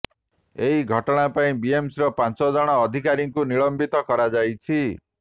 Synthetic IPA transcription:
eɦiɡʱɔʈɔɽ̃apaĩbiemsiɾɔpant͡ʃɔd͡ʒɔɽ̃ɔːd̪ʱikaɾiŋkuniɭɔmbit̪ɔkɔɾad͡ʒajt͡ʃʰi

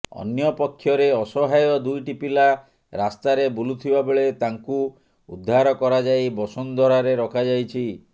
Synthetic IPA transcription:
ɔ̰njɔpɔkʰːjɔɾeɔsɔɦajɔd̪ujʈipila | ɾast̪aɾebulut̪ʰibabeɭet̪aŋku | ud̪ʱːaɾɔkɔɾad͡ʒajbɔsɔnd̪ʱɔɾaɾeɾɔkʰad͡ʒajt͡ʃʰi

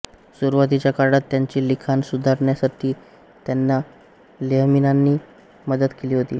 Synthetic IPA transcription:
suɾʋat̪̬it͡ɕjakaɾɽat̪ːjaɲt͡ɕiːlikʰansud̪ʱaɾɳjasaʈʰiː | t̪janːa | leɦminanːiː | məd̪əd̪keliːɦot̪iː

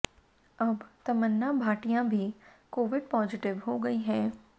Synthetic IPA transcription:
ɐbt̪ɐmənːabʱaːʈijãbʱikoːʋɪɖpɔːzɪʈɪʋɦoɡɐiɦɛ̃ː

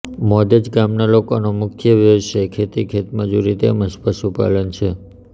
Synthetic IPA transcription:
mɔd̪əd͡ʒɡamnalokonomʊkʰjəʋəʋəʃekʰet̪ikʰet̪məd͡ʒuɾit̪ḛməʃpəsupa̰lənt͡ʃʰe

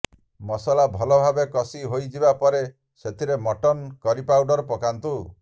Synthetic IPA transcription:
mɔsɔlabʱɔlɔbʱabekɔsiɦojd͡ʒibapɔɾe | set̪ʰiɾemɔʈɔnkɔɾipawɖɔɾɔpɔkant̪u

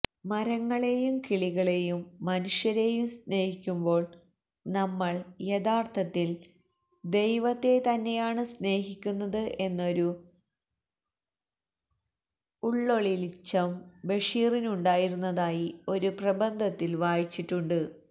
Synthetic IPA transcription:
mɐɾɐŋːɐɭe̞jumkiɭiɣɐɭe̞jumːɐnuʂjɐɾe̞jumsne̞ːhikʲːumbo̞ːɭ | nɐmːɐɭje̞ðaːrt̪ʰɐt̪ːil | d̪e̞jʋɐt̪ːe̞t̪ɐnːe̞jaːɳɨsne̞ːɦikʲːunːɐðɨʔe̞nːo̞ɾu | uɭːo̞ɭilit͡ɕːɐmʋe̞ʂiːrinuɳɖaːjiɾunːɐðaːjio̞ɾuprɐbɐnd̪ʱɐt̪ːilʋaːjit͡ɕːiʈːuɳɖɨ

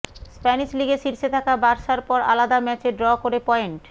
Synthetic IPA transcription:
spɛniʃliɡeʃiɾʃet̪ʰakabaɾʃaɾpɔɾa̰lad̪amɛt͡ɕeɖɾɔkoɾepɔeɳʈ

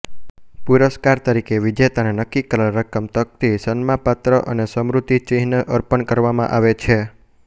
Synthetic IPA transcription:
puɾəskaɾt̪əɾikeʋid͡ʒet̪anenəkːikələlɾəkəmt̪ək̚t̪isənmãpat̪ɾəʔənesəmɾut̪it͡ʃiɦnəʔəɾpənkəɾʋamã̰ʔaʋet͡ʃʰe

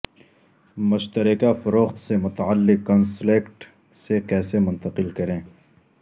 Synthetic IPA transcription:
mʊʃt̪əɾɪkafɐɾoːxt̪semʊt̪aalːɪkːɔnsleːkʈ | sekɛːsemʊ̃nt̪əqɪlkɐɾẽː

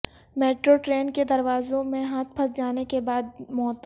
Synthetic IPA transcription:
meːʈɾoʈɾeːnked̪ɐɾʋaːzõmẽɦaːt̪̚ʰpʰɐsd͡ʒaːnekebaːd̪̚mɔːt̪

